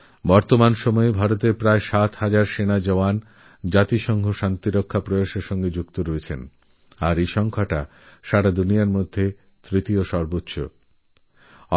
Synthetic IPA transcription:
bɔɾt̪omanʃɔmɔebʱaɾot̪eɾpɾaeʃat̪had͡ʑaɾʃenad͡ʑɔoan | d͡ʑat̪iʃɔŋɡʱoʃant̪iɾokʰːapɾoaʃeɾʃɔŋɡed͡ʑukt̪oɾɔet͡ɕʰen | aɾeʃɔŋkʰaʈa | ʃaɾad̪unijaɾmod̪ʱːe | t̪ɾit̪ioʃɔɾbotːɕʰo̰

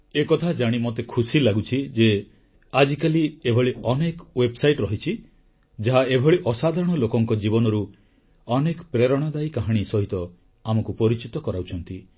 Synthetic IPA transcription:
ekɔt̪ʰad͡ʒaɽ̃imot̪ekʰusilaɡut͡ʃʰid͡ʒe | ad͡ʒikaliebʱɔɭiɔnekwebsajʈɾɔɦit͡ʃʰi | d͡ʒaɦaebʱɔɭiʔɔsad̪ʱaɾɔɽ̃ɔlokɔŋkɔd͡ʒibɔnɔɾu | ɔnekɔpɾeɾɔɽ̃ɔd̪ajkaɦaɽ̃isɔɦit̪ɔ | amɔkupɔɾit͡ʃit̪ɔkɔɾawt͡ʃʰɔnt̪i

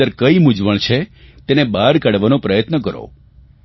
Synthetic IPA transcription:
əɾkəimʊd͡ʒʋəɳ̃t͡ʃʰet̪enebaɾkaɽʋanõpɾəjət̪nəkəɾo̰

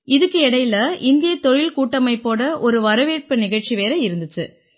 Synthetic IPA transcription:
ɪðɯkːɯɛɽɐjlɐʔɪnd̪ɪjɐt̪ɔɻɪlkuːʈːɐmɐɪpːoːɽɐʔɔɾɯʋɐɾɐʋeːʈ̚pɯnɪɣɐɻt͡ʃiʋeːɾɐɪɾɯnd̪ɯt͡ʃːɯ

